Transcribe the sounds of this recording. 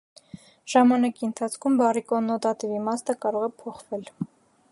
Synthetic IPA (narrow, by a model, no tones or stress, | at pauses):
ʒ̥ɑmɑnɑkiənt̪ʰɑt͡sʰkʰumbɑrikɔnɔt̪ɑt̪ivimɑst̪əkɑɾɔʁɛpʰɔχvɛl